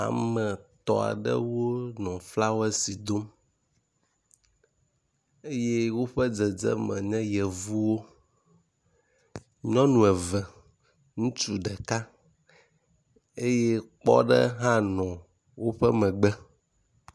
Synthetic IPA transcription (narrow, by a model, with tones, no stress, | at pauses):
a̰˨mɛ̃˨t̪ɔ̰˨a̰˨ɖɛ̰˦wo˦nɔ̃˨fla˦wɛ˦si˨d̪o˦m | e˦je˦wo˦ɸɛ˦d͡zɛ˨d͡zɛ̰˦mɛ̰̃˨ɲɛ̃˦jɛ˨vu˦wo˦ | ɲɔ̃˦nũ˨ɛ˨vɛ˨ | ŋũ˦t͡ʃu˦ɖɛ˨ka˦ | e˦jeɛ˦k͡pɔ̰˦ɖɛ˦ɦã˦nɔ̃˨ | wo˦ɸɛ˦mɛ̃˨ɡ͡bɛ˦